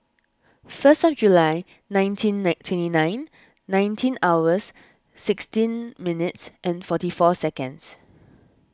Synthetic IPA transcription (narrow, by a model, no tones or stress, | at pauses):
fəstɔfd͡ʒulaɪ | nãɪ̃ntʰĩntʰwɛ̃ntinãɪ̃nː | ãɪ̃ntʰĩnawəsː | ɪkstĩnminɪtsʔɛ̃nfɔtifɔsɛkə̃nds